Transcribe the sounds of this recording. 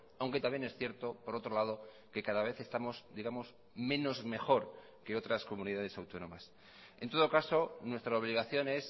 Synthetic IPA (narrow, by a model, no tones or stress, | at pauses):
awŋket̪amje̞ne̞sθje̞ɾt̪o̞poɾo̞t̪ɾo̞laðo̞ | ke̞kaðaβ̞e̞θe̞st̪amo̞sd̪iɣamo̞z | mẽ̞no̞zme̞xo̞ɾ | ke̞o̞t̪ɾasko̞mũniðað̞e̞sawt̪o̞nõ̞mas | e̞nt̪oð̞o̞kaso̞nwe̞st̪ɾaoβ̞liɣ̞aθjo̞ne̞s